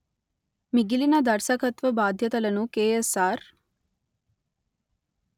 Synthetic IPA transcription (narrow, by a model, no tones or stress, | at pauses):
miɡilinɐd̪ɐɾsɐkɐt̪ʋɐbaːd̪ʱjɐt̪ɐlɐnukeːesaːɾ